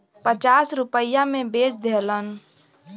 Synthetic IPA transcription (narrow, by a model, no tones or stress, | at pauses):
pət͡ʃasɾupəjamẽbed͡ʒd̪elən